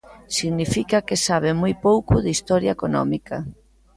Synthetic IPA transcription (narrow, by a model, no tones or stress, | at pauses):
siɣnifikɐkɪsaβ̞ɪmojpowkʊðist̪ɔɾjɐekonɔ̰mikɐ